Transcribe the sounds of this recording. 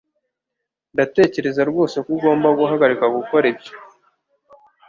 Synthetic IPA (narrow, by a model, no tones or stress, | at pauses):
date̞ːce̞ɾezaɾɡo̞ːse̞kuɡo̞ːmbaɡuɦaɡaɾikaɡukoɾebjo